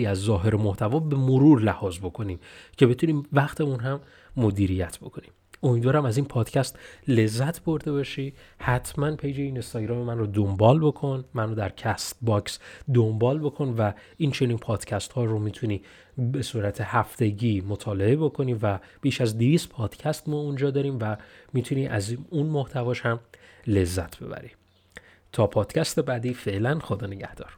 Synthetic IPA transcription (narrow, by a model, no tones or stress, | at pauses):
iæzːɒːɦe̞ɾemoht̪ʰævɒːbe̞moɾuːɾlæhɒːzbo̞kʰo̞niːmcʰe̞be̞t̪ʰuniːmvæχt̪ʰe̞munɦæmː | o̞d̪iːɾijæt̪ʰbo̞kʰo̞nim | o̞mid̪vɒːɾæmæziːnpʰɒːd̪̥cʰæst̪le̞zːæt̪ʰbo̞ɾd̪e̞bɒʃiːhæt̪ʰmænpʰejd͡ʒe̞iːnest̪ɒɟɾɒːmemænrod̪o̞mbɒːlbo̞kʰo̞nmænod̪æɾcʰæst̪̚bɒksd̪o̞mbɒːlbokʰo̞nvæ | ʔiːnt͡ʃʰe̞niːnpʰɒːd̪̥cʰæst̪hɒːɾomiːt̪ʰuniː | be̞suːɾæt̪ʰe̞hæft̪ʰe̞ɟiːmo̞t̪ʰɒːle̞ebo̞kʰo̞niːvæb̥iːʃæzd̪eviːst̪pʰɒːd̪̥cʰæst̪mɒːund͡ʒɒːd̪ɒːɾiːmvæmiːt̪ʰuniːʔæ̰zunmo̞ht̪ʰævɒːʃhæm | le̞zːæt̪ʰb̥e̞̰bæ̰ɾi | t̪ʰɒːpʰɒːd̪̥cʰæst̪e̞bæːd̪iːfe̞ʔlænxod̪ɒːne̞ɟæhd̪̥ɒːɾ̥